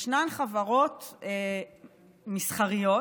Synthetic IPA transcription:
ʃnanχavaʁot̪e | misχaʁijo

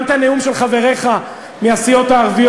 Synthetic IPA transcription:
nt̪aneumʃe̞lχave̞ʁe̞χa | measijo̞t̪aːʁvij

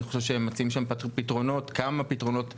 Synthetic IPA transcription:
iχoʃevʃehemːat͡siimʃampitʁo̞no̞tkamapitʁo̞no̞t

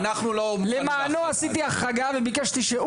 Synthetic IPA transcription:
naχnulolemaːnoasit̪iaχːaɡavebikaʃt̪iʃe

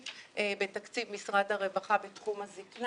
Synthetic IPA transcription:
ʔebe̞takt͡sivmisʁadhaʁe̞vaχabetχumhazikn

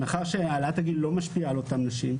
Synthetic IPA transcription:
maχaʁʃeaːlat̪aɡillo̞maʃpiaːlo̞tamnaʃim

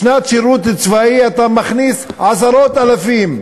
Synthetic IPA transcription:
nat̪ʃiɾut̪t͡svaiat̪amaχnisʕasaɾot̪alafim

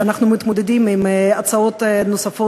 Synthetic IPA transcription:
anaχnumɪt̪mud̪ɛdimɪmat͡saotnʊsafo

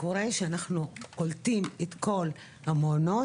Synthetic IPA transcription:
ko̞ʁeʃeanaχnukoltimet̪ko̞l | hamono̞

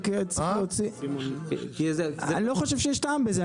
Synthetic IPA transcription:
keet͡sot͡si | kizkizaniloχoʃevʃejeʃtaːmbeze

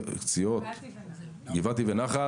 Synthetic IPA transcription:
kt͡siot̪ | ɡivat̪ivenaχa

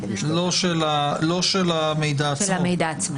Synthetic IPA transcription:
loʃelalo̞ʃelamejd̪aalamejd̪aːt͡sma

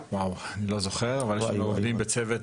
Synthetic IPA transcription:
wawanilo̞zoχeʁavalʃemoovd̪imbet͡sevet

